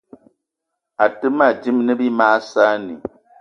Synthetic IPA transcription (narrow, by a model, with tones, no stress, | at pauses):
a˨tɨ˦ma˨d͡ʒi˦mnɨ˦bi˦maː˦sa˦ni˨